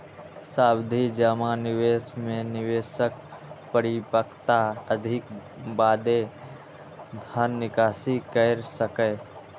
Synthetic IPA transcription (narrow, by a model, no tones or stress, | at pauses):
saːbd̪ʱid͡ʒəmanɪweːsmẽnɪʋeːʃək̚pəɾɪpəkt̪aəd̪ʱɪk | baːd̪e | d̪ʱənːɪkaːsikəɾsəkə